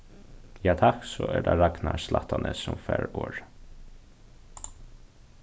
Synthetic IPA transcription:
jɑːt̪ʰɑksoːʔæːɖɑɾɑknɑslɑt̪ʰɑnʔəsɔmfæːɹoːɹ

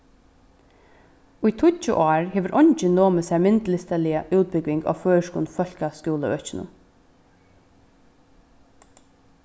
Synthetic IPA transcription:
ʊjt̪ʰʊt͡ʃːə̰ʔɑːɹheːʋəɾʔɔɲt͡ʃɪnoːməsæɹmɪnt̪lɪst̪əlɪəʔʉːt̪̚bɪɡʋɪŋɡa̰ːføːɹəʃkṵːnfœl̥kaskjuːləœt͡ʃɪnʊ̰m

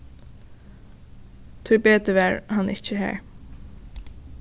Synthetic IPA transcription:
t̪ʰʏɹbeːt̪əʋæːɹhɑnʔɪ̰t͡ʃəɦæ̰ːɹ

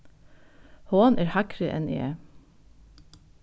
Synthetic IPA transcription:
hoːnʔeːɹhækɾɪʔɛ̰nʔḭḛː

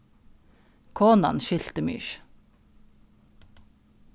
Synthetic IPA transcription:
kʰoːnɑ̰nʃʏlt̪əmy̰ːʃ

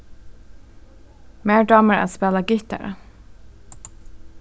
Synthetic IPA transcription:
meːɹɖɑːməɹæ̰spɛːlɑɡʏt̪ə̰ɹə̰

